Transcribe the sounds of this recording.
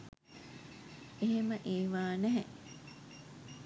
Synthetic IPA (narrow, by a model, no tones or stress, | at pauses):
eɦeməʔeːʋaːnæɦeʔ